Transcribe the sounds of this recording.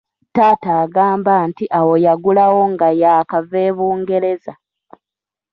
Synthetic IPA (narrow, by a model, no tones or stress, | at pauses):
taːtaːɡaːmbaːntiʔawo̞jaɡulawo̞ŋɡajaːkaveːβuːŋɡe̞ɾe̞za